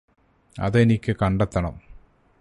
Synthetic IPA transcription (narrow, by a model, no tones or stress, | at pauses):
ɐ̰ðɨenikʲːɨkɐɳɖet̪ːɐɳɐm